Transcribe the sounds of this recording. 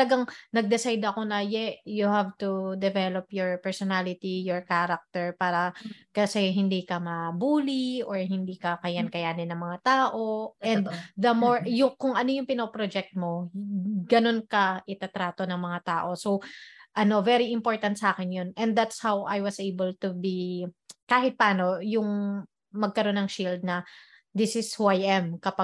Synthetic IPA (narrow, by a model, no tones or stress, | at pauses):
lɐɡaŋnɐɡ̚d̪ɛsajd̪ɐko̞nɐjɛjʊhavt̪ud̪ɛvɛlopjɔɹpɛɹsɔnalɪt̪ijɔɹkaɾɐk̚t̪ɛɹpaːɾɐkɐsɛɦɪnd̪ikɐmɐbuːliʔoɹɦɪnd̪iːkɐkɐjankɐjaːnɪnːɐŋmɐŋat̪aːʔoʔɛ̃nnd̪d̪ɐmoɹjʊŋkʊŋʔɐno̞jʊŋpɪnopɾod͡ʒɛk̚t̪̚mo̞ | ɡɐno̞nkɐʔɪt̪at̪ɾaːt̪onɐŋmɐŋat̪aːʔo̞sowʔɐno̞vɛɾiɪmpo̞ɹt̪ɐnsɐʔaːkɪnjonɛ̃nd̪̚d̪at̪shawʔajwɐsʔejbɛlt̪ubikaːɦɪt̪̚pɐaːno̞jʊŋ | mɐɡ̚kɐɾo̞nːɐŋʃild̪̚nɐ | d̪ɪsɪswajʔɛmkɐpa